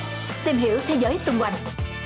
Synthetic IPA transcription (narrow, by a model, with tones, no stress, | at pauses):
t̪i˧mɦḭ˧˥əwt̪ʰe˨˦zəː˨˦jsʊ˧ŋ͡mkwa˧jŋ̟